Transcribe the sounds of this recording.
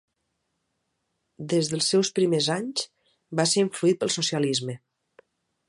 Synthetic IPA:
d̪ezðəlˠsːɛwspɾimezaɲs | baseɾiɱfluit̪̚pəlˠsusializmə

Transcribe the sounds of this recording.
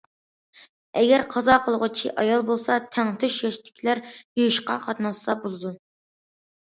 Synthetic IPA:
ɛɡʲæɾqʰɑzɑqʰəlˠəʁʊt͡ʃʰiʔɑjɑlˠbolˠsɑt̪ʰɛŋt̪ʰyʃjɑʃt̪ɪ̥kʲʰilæɾjujuʃqɑ̰qʰɑt̪nɑsɑbulˠɨd̪u

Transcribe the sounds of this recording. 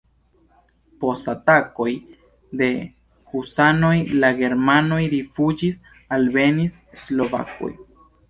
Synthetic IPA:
po̞statako̞j | d̪e̞ | husano̞jlaɡe̞ɾmano̞jɾifud͡ʒis | albe̞niseslo̞va̰ko̰j

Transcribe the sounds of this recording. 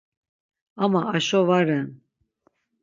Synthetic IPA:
amaːʃɔvaɾɛn

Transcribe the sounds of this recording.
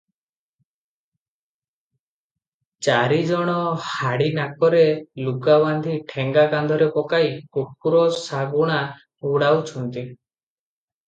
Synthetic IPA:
t͡ʃaɾid͡ʒɔɽ̃ɔhaɽinakɔɾeluɡaband̪ʱiʈʰeŋɡakand̪ʱɔɾepɔkaikuk̚uɾɔsaɡuɽ̃a | uɽawt͡ʃʰɔnt̪i

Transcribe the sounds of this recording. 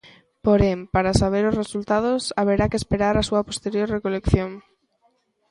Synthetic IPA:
poɾempaɾasaβ̞eɾʊsresult̪aðʊsaβ̞eɾakespeɾaɾasuɐpo̥st̪eɾjoɾrekolekθjoŋ

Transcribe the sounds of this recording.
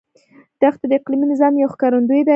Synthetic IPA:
d̪̥axt̪ad̪əɪqliminɪzɑmjawxkɑɾund̪ujed̪a

